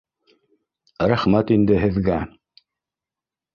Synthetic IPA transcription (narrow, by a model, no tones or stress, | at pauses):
ɾæχmæt̪ind̪ɘɦɘ̆ðɡæ